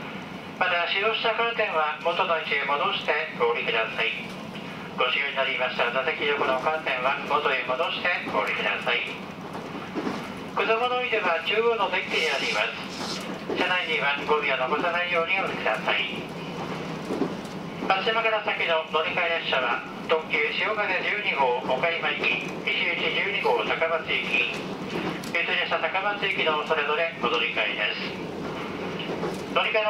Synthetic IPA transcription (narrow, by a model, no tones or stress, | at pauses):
mat̪aɕiɾo̞ːɕi̥t̪akaːt̪ẽ̞ɰ̃βamo̞t̪o̞noit͡ɕiemo̞d̪o̞ɕi̥t̪e̞koːɾʲikɯ̟d̪asai | ɡ̥o̞ɕiɯːɲinaɾʲimaɕi̥t̪anazekʲizokɯ̟noːkaːsẽ̞ɰ̃βamot̪o̞emo̞d̪o̞ɕi̥t̪e̞ko̞ːɾʲikɯ̟d̪a̰sai | kod̪omo̞noid̪ɯβad͡ʑɨːɡonod̪ẽ̞ŋʲkʲːiɲeaɾʲimasɨ̥ | ɕanaiɲĩβaɡobʲijanokot̪anaijo̞oːɲ̟ʲiad̪ekɯ̟d̪asai | kaɕimaɡaɾasakʲino̞no̞ɾʲikaid̪aɕaβa | t̪õ̞kʲɨːɕioːɡaɡad͡ʑɨːɲ̟iɡo̞ːmokaimaikʲiɲiʑɨːd͡ʑid͡ʑɨːɲ̟iɡo̞ːt̪akamat͡sɨikʲi | ɯt̪oɲʲaɕat̪akamat͡sɨikʲino̞so̞ɾe̞zo̞ɾe̞mod̪o̞ɾʲikaid̪esɨ̥ | no̞ɾʲika